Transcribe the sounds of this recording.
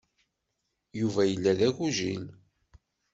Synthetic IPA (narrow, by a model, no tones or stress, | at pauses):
juvæjəlːæðæʝuʒin